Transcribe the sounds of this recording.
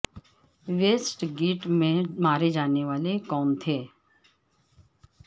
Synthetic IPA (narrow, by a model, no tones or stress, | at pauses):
ʋeːsʈɡiːʈmẽmaːɾed͡ʒaːneʋaːlekɔːmt̪ʰeː